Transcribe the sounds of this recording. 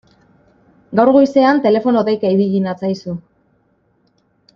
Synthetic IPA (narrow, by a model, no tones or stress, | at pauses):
ɡawɾɣojse̞ant̪e̞le̞fo̞noðejkaiβiɣinat͡sajsu